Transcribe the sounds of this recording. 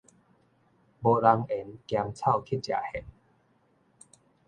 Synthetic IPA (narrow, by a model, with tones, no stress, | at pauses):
bo˧la˧ŋe˨˦nkja˧ŋt͡sʰa˥˧˨wkʰi˦˥˩t͡ɕja̰˨˩hɛ˨˩˦n